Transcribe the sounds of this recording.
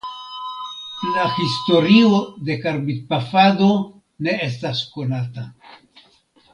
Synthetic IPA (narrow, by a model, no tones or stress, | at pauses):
lahisto̞ɾiode̞kaɾbit̚pafado̞ | ne̞e̞s̬tasko̞nata